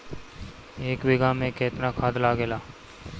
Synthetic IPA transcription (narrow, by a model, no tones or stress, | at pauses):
eːkbɪɡamẽkeːt̪nakʰaːd̪laːɡelaː